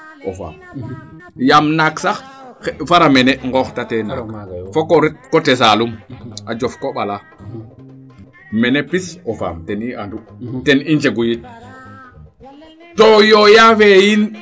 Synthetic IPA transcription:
ʔofa̰ːm | jamnaksax | faɾameneŋɡɔxtatena̰fokɾkotes̬aːlumad͡ʒofkoɓala | menepisofa̰ːmteniʔanduteniɲd͡ʒeɡujit̚ | tojojafejin

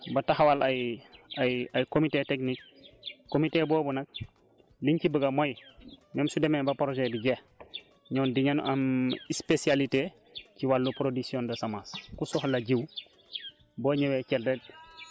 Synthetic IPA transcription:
bɐtahwalajajajkomiteteknik̚ː | omiteboːbunɐk̚ | liɲcibəɡɐmojmemsudemebɐpɾoʒediɟeh | ɲoːndiɲan̰ʔamispesialite | ciwalːupɾodiksiondɐsamaskusohlaɟiw | boːɲewekeldet̚

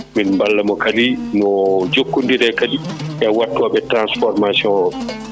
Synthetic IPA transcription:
minmbalːamɔkalinɔd͡ʒokːundiɾɛkadiʔɛwatːɔɓɛtɾansfɔɾmasiɔnɔɓɛ

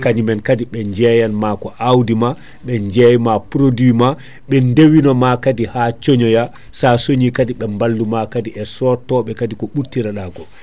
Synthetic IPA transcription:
kaɲimɛnkadiɓɛɲd͡ʒɛjanmakɔʔawdima | ɓɛɲd͡ʒɛjmapɾodima | ɓɛndewinɔmakadihat͡ʃoɲɔja | sasoɲikadiɓɛmbalːumakadiɛsɔtɔɓɛkadikɔɓuɾtiɾaɗakɔ

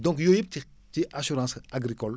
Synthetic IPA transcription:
d̪ɔ̃kjoipt̪i | t̪iʔasyɾɑ̃ːsaɡɾikɔl

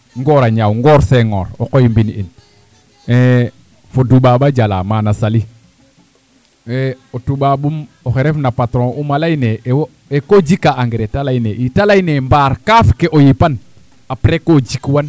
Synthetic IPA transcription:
ŋɡɔɾaɲawŋɡɔɾseŋo̰ɾo̰kojimbinḭn | e | fodubabaɟala̰manasali | weotubabumoxeɾefnapatɾɔ̃ʔumalajnew | ekoɟikaʔaŋɡɾetalajneʔitalainembaːɾkafkeʔojipan | apɾekoɟikwan

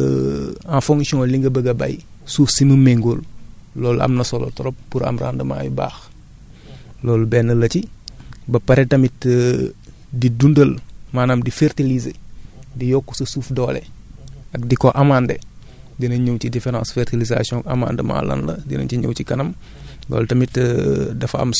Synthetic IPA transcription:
ãfoŋksiɔ̃liŋɡɐbɐɡɐba̰jsuːfsimumeŋɡoːllɔːlɐ̰mnɐsolɐ̰tɔɾop̚puɾa̰mɾa̰ːndɐma̰ːjba̰ːx | lɔːlbɛnːɐlːɐcibɐpɐɾetɐmit | didundəlmaːnɐmdifertilizedijɔkːusɐsuːfdɔːlḛɐk̚dikoʔɐmaːndḛ | dinɐɲowcidɛfeɾã̰ːsfeɾtiliza̰siɔ̃ŋɐ̰ma̰ːndəma̰ːlɐ̰nlɐ̰dinɐ̰ciɲo̰wcikɐnɐm | lɔ̰ːltɐmitdɐfɐ̰m

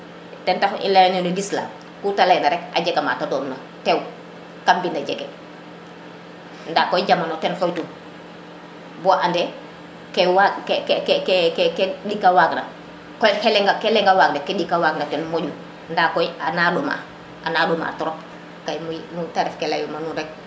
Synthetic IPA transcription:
tɛntaxḭlajnenudisla̰ | kutalajnaɾɛka̰ɟɛɡama̰ːtadɔːnna | tɛw | kambindaɟɛɡɛ̰ | ndakːɔjɟamanotɛnxɔjtu | bɔʔandɛ | kɛwakkkkɛkɛkɛdikːawaːkna | kɔjhɛlɛŋɡakɛlɛŋɡawaːk̚nakɛdikːawaːk̚natɛnmɔɟu | ndakɔjanaɗuma̰ | ʔanaduma̰ːtɔɾɔp | kajmumutaɾɛfkɛla̰jumanuɾɛk̚

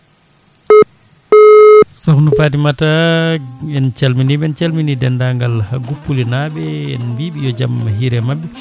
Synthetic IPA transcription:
sɔhnufatimata | ɛnt͡ʃalminiɓɛnt͡ʃalminidɛndaŋɡalhaɡupːulinaɓɛɛ̰nbiɓijɔd͡ʒamahiɾɛmabːɛ

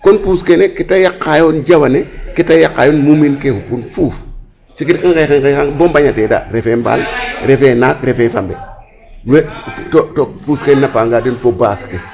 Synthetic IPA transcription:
konpuskenekitajakːajond͡ʒawanekitajakːa̰jonmuminkehupunfuːf | t͡ʃikitkaŋkekeŋkekaŋbombaɲateda̰ːɾefemba̰ːlɾefenaːkɾefefa̰mbe | wetotopuskenːapaŋɡadinfobaːske

